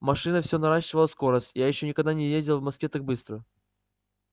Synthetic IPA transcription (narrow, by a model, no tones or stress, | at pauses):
mɐʂɨnəfsʲonɐɾaɕːɪvəlˠəsko̞ɾəsʲtʲjajɪɕːo̞nʲɪkɐɡd̪anʲɪjezʲdʲɪlˠvmɐskʲet̪ak̚bɨst̪ɾə